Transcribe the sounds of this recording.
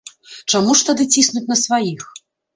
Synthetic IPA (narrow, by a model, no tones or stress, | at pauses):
t͡ʂamuʂt̪ad̪ɨt͡sʲisnut͡sʲnɐsvajix